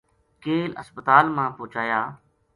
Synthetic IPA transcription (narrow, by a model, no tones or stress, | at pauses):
keːlə̰spət̪aːlmãːpoːt͡ʃaːjaː